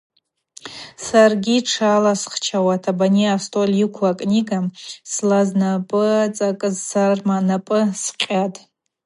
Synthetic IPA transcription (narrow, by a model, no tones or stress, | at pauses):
sarɡʲiʈ͡ʂʰalasχt͡ʃʰawatʰabaniastʼolʲjɪkʷʰakʼniɡamslaznapʼɨat͡sʼakʼɨzsarmanapʼɨsqʲʼatʼ